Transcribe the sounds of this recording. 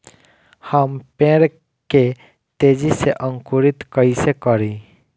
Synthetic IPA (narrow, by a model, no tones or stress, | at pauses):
həmpẽːɾ | ke | t̪eːd͡ʒiseʔə̃ŋkuɾɪt̪kəisekəɾĩ